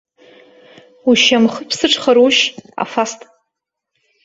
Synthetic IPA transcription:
uʃamχəpʰsɨʈ͡ʂʰʼχaɾuʃa̰fastʼ

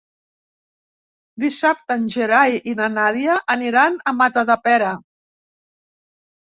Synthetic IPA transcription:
d̪isap̚t̪ənʲʒeɾajʔinanaðiəʔəniɾanəmat̪əðəpɛɾə

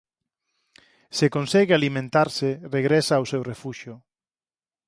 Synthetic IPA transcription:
sekõnsɛɣealimẽnt̪aɾsɪreɣɾesaːwsewrefuʃjʊ

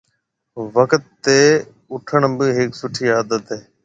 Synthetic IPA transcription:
ʋəkt̪ːeː | ʊʈʰəɳbɪɦɪksʊʈʰiːaːd̪ət̪ɦeː

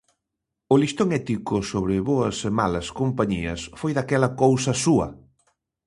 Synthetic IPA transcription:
ʊlist̪oŋɛt̪ikʊsoβ̞ɾɪβoɐsemalɐskompaɲiɐsfojðakɛlɐkowsɐsuɐ̰

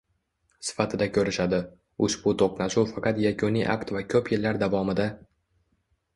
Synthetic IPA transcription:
sɪ̥fat̪ʰɪd̪akʲʰɵɾɪʃad̪ɪ | ʊʃbʊt̪ʰoqnaʃufɑqʰɑt̪jakʰʊniʔa̰kt̪vakʲʰɵpjɪlːaɾd̪avɒmɪd̪a

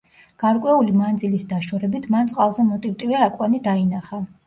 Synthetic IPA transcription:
ɡ̥aɾkʼwɛulimand̪zilisd̪aʃɔɾɛbit̪ʰmant̪sʼqʼalˠzɛmɔt̪ʼivt̪ʼivɛakʼwanid̪ainaχa

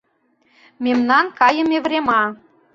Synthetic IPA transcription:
memnɑnkɑjə̆mevɾemɑ

